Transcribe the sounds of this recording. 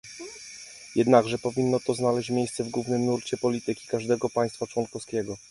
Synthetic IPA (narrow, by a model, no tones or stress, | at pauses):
jɛd̪naɡʐɛpɔvʲinːɔt̪ɔznalɛɕt͡ɕmʲjejst̪sɛvɡwuvnɘmnuɾt͡ɕɛpɔlʲit̪ɘkʲi̥kaʐd̪ɛɡɔpaj̃st̪fat͡ʂwɔnkɔfskʲɛɡɔ